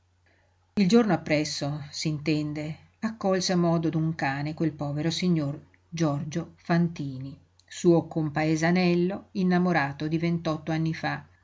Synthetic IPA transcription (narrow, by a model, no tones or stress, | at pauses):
ild͡ʒornoapːɾɛsːosiːnt̪ɛnd̪e | akːɔlseamːɔːd̪od̪uŋkaːnekwelpɔːveɾosiɲːor | d͡ʒɔrd͡ʒofant̪iːni | suːokompaezanɛlːoinːamoɾaːt̪od̪ivent̪ɔt̪ːoanːifa